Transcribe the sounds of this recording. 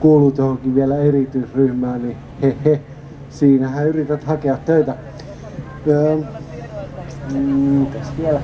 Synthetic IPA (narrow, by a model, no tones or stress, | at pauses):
kuːlut̪johokiʋielæerit̪yisryhmæːni | hehe | siːnæhæyrit̪æt̪hɑkeɑt̪t̪øit̪æ | mikæsʋielæ